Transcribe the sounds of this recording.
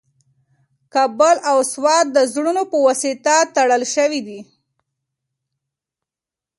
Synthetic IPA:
kabəlawswɑt̪̚d̪əzɽunopəwɑsit̪at̪aɽəlʃəwid̪i

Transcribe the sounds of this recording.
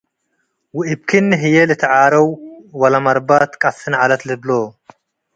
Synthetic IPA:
wɪʔɪb̚kʰinːɦɪjelɨt̪ʰɐʕaːɾɐwwɐlɐmɐɾbat̪kʼɐsɨnʕalɐt̪lɨbloː

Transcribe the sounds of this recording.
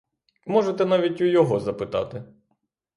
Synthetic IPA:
mɔʒet̪ɛnɑʋʲitʲujɔɦɔzɐpɪt̪ɑ̰t̪ɪ

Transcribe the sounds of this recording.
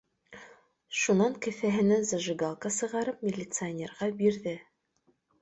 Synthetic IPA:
ʃunɑŋkɘ̆θæɦɘ̆næzɑʒɤ̆ɡalˠkɑsɤ̆ʁɑɾɤpmʲɪlʲːɪt̪sɨɐnʲerʁɑbiɾðɘ

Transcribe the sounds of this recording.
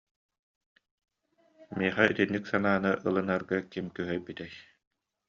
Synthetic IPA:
miɛχɛyt̪inːiksanaːnɯʔɯlˠɯnaɾɡakimkœɦœjbit̪ɛj

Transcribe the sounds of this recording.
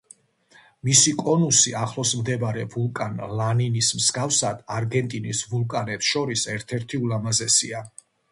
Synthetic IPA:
misikʼɔnusiaχlˠɔsmd̪ɛbaɾɛvulˠkʼanlaninismsɡafsad̪̥aɾɡɛnt̪ʼinisvulˠkʼanɛpsʃɔɾisɛɾt̪ʰɛɾt̪ʰiulamazɛsḭa

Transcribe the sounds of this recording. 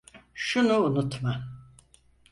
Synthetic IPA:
ʃunuːnut̪ma

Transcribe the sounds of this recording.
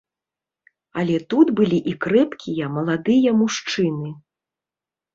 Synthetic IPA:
alʲɛt̪ut̪bɨlʲiʔikɾɛpkʲijɐmɐlˠad̪ɨjɐmuʂt͡ʂɨnɨ

